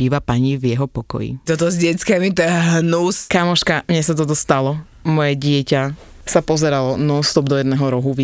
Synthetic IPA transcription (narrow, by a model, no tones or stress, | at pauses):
iːʋapaɲivjɛɦɔpɔkɔ̰jḭt̪ɔt̪ɔzɟɛt͡skɛːmit̪ɛɛɦnuskamɔʃkamɲɛsat̪̬ɔt̪̬ɔst̪alɔ | mɔjɛɟɪɛca | sapɔzɛɾalɔnɔst̪ɔbd̪ɔjɛd̪nɛːɦɔɾɔɦuʋ